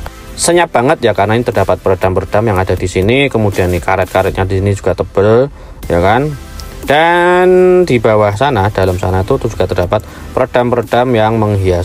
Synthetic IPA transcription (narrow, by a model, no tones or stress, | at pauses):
səɲap̚b̥aŋət̪̚jakarənainit̪ərdapat̪̚pəɾad̥ampərd̥amjaŋadadisinikəmudianikaɾɛt̪̚kaɾɛt̪̚ɲadisinid͡ʒu̥ɡ̥at̪əb̥əl | jakan | d̥and̥ibawahsanad̥alamsanait̪ut̪ud͡ʒuɡ̥at̪ərd̥apat̪̚ | pəɾd̥ampərd̥amjaŋməŋɦia